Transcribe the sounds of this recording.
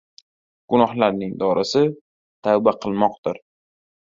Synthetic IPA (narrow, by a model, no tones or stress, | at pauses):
ɡ̥ʊnɒhlaɾnɪŋd̪ɒɾʔɪsɪ | t̪ʰabaqʰɨlˠmɒq̚d̪ɪɾ